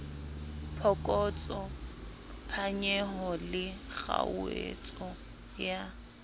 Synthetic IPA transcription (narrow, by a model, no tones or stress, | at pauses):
pʰɔkʼɔt͡sʼɔ | pʰaɲɛɦɔlɪɣa̰uḛt͡sʼɔ | ja